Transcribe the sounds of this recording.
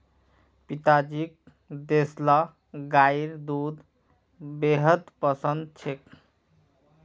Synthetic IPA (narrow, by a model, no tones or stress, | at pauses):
pit̪ad͡ʒik̚ | d̪esla | ɡajɾd̪ud̪ | beɦəd̪pəsənd̪̚t͡ʃʰek